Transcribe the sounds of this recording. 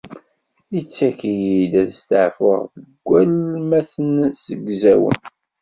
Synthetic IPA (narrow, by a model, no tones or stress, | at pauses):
it͡sːækijid̪æðst̪əʕfʊʁðəɡʷːælmæθənsəɡzæwə̰n